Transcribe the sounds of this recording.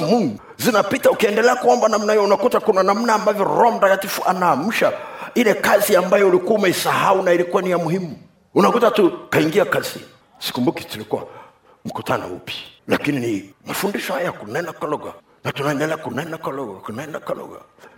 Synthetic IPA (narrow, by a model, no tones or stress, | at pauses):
muŋɡu | zinapitaukiɛndɛlɛakuɔmbanam̩nahijɔunakutakunanam̩naːmbavjɔɾɔm̩ɾakatifuʔanaːm̩ʃailɛkaziambajɔulikuaumɛisahaunailikuwanijamuhimu | unakutatukaiŋɡiakazi | si̥kumbuki̥tulikuwa̰ | m̩kutʰanɔ̰ṵpi̥la̰kininimafundiʃɔhajakunɛndakalɔɡa̰ | natunaɛndɛlɛakunɛndakalɔɡa̰kunɛndakalɔ̰ɡa̰